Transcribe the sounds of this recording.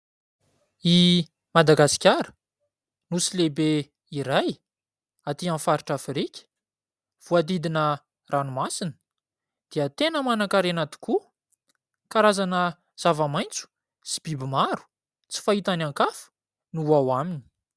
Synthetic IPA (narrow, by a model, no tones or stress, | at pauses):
i | mad̪aɡasi̥kʲaɾə̥ | nusilebe | iɾaj | at̪iãnfaɾiʈ͡ʂafiɾikʲi̥ | v̥uad̪id̪inə | rʔanumasinə̥ | d̪̥eət̪enəmanakaɾenat̪i̥ku | kaɾazanə | z̥avamajnt͡su̥ | si̥b̥ibimaɾu̥ | t͡si̥fait̪anaŋkafu̥ | nuawamini̥